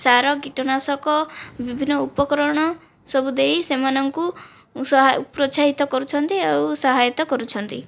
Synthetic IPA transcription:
saɾɔɡiʈɔnasɔkɔbibʱinːɔupɔkɾɔɽ̃ɔ | sɔbud̪eisemanɔŋku | sɔɦpɾɔt͡ʃaɦit̪ɔkɔɾut͡ʃʰɔnt̪iawusɔɦajɔt̪ɔkɔɾut͡ʃʰɔnt̪i

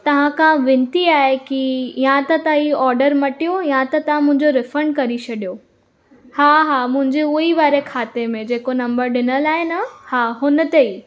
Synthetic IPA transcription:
t̪ɐʋ̤ãkʰãʋɪ̃nt̪iaːɦekijãt̪ɐt̪ãiːɔːɾɖəɾmɐʈijojãt̪ɐt̪ɐʋ̤ãmʊ̃ɦɪ̃ɲd͡ʑoɾɪfɾəɳɖ̚kɐɾit͡ɕʰɐɗijo | haːɦaːmʊ̃ɦɪ̃ɲd͡ʑeʊɦiʋaːɾekʰaːt̪emẽd͡ʑeːkonɐ̃mbəɾɗɪnəlaːɦenɐhaːɦʊnə̆t̪eiː

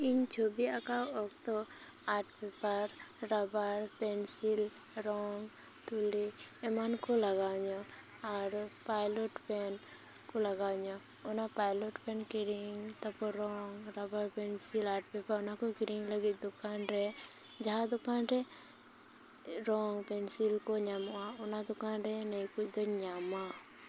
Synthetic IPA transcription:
iɲt͡ʃʰobiakawok̚t̪o | aːʈʰpepəɾɾabaɾpɛnsil | ɾɔŋɡ | t̪uliemankolɐɡaɲo | aɾpaːjloʈpɛn | koləɡaɲo | ʊnapajloʈpɛnkiɾiŋt̪ɔpɔɾɔŋɾɐbaɾpensilaʈ̚pɛpaʊnakokiɾiŋləɡit̪̚d̪ʊkanɾɛ | d͡ʒaad̪ʊkanɾɛ | ɾɔŋpensilkoɲamwaʊnad̪ʊkanɾɛnəjkut͡ʃd̪ɔɲama

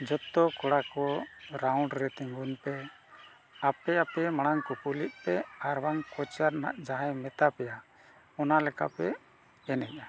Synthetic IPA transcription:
d͡ʒɔt̪ɔkɔɽakɔɾawɳɖɾɛt̪iŋɡunpɛ | apɛapɛmaɽ̃aŋkupuliʔ̪̚pɛaɾbaŋkɔt͡ʃaɾna̰ʔd͡ʒaɦajmɛt̪apɛja | ɔnalɛka̰pɛ | ɛnɛɲa

